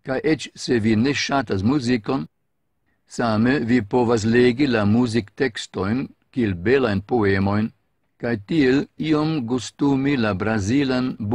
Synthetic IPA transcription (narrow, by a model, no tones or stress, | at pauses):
kajʔet͡ʃsevineʃatas̬muzikon | samevipovas̬leɡilamuzikt̪ekst̪ojnkielbelajnpoemo̞jn | kajt̪ieliomɡust̪umilabɾazilanb